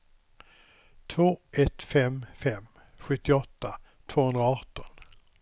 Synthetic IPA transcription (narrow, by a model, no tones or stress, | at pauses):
t̪ʰvoːʔɛt̪fɛmfɛm | ɧɵt̪ːɪɔt̪ːa | t̪ʰv̥oːhɵnɾaɑːʈɔn